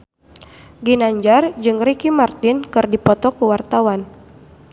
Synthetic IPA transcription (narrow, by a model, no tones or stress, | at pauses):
ɡinaɲd͡ʒard͡ʒɨŋrikimart̪ɪnkɨrdipɔt̪ɔkuwart̪awan